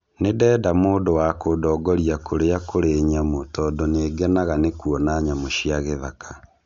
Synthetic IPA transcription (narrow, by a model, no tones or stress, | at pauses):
nedɛːdamoːdowakodɔːɡɔɾiakoɾeakʰoɾeɲamotɔdoneːɡɛnaɣanekwɔnaɲamoʃiaɣeðakʰa